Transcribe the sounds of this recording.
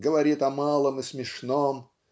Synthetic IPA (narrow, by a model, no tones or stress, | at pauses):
ɡəvɐɾʲit̪ɐmalˠəmɨsmʲɪʂnom